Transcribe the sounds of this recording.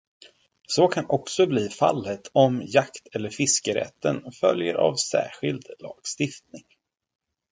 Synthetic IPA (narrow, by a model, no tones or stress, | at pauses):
sokʰanɔksɔbliːfa̰lːət̪ʰɔmjakt̪ʰɛlːəɾfɪskəɾɛ̰t̪ːənfœljəɾa̰vsæ̰ːɧɪld̪lɑ̰ːɡ̥st̪ɪft̪nɪŋ